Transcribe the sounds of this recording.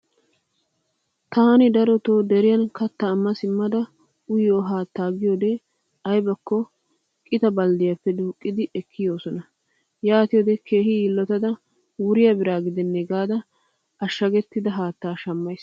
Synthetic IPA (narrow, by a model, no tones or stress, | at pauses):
t̪aːnɪd̪ɐɾɔt̪oːd̪ɛɾɪjɐnkɐt̪ːɐːmːɐsɪmːɐd̪ɐ | ʊjoːɦaːt̪ːaːɡɪjoːd̪e | ɐjbɐkːɔ | kʼɪt̪ɐbɐld̪ɪjɐpːɛd̪uːkʼːɪd̪ɪʔɛkːɪjoːsɔnɐ | jaːt̪ɪjoːd̪ɛkʰe̞ːhɪjiːlːɔt̪ɐd̪ɐ | wʊɾɪjɐbɪɾaːɡɪd̪ɛnːɛɡaːd̪ɐ | ɐʃːɐɡɛt̪ːɪd̪ɐɦaːt̪ːaːʃɐmːɐjs